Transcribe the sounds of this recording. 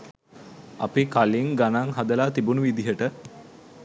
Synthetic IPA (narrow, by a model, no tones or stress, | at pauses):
a̰pikaliŋɡanaŋɦad̪əlaːt̪ibunuʋid̪iɦəʈə